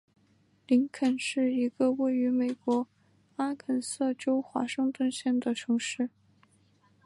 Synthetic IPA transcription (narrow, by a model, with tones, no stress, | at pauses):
li˧˥ŋkʰə˨˩nʂɻ̩˥˩i˧˥ɡə˧we˥˩ɪy˧˥me˨˩ɪkwɔ˧˥ | a˥kʰə˨˩nsɤ˥˩ʈ͡ʂo˥ʊxwa̰˧˥ʂɤ˥˧ŋt̪wə˥˧nɕjɛ˥˩nd̪ə˩ʈ͡ʂʰɤ˧˥ŋʂɻ̩˥˩